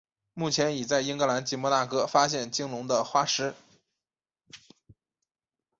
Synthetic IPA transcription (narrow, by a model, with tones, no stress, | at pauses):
mu˥˩t͡ɕʰjɛ˧˥ni˨˩t͡sa˥˩ɪi˥ŋkɤ˧˥la˧˥nt͡ɕi˧˥mɔ˧˥na˥˩kɤ˥fa˥ɕjɛ˥˩nt͡ɕi˥ŋlʊ˧˥ŋd̪ə˧xwa˥ʂɻ̩˥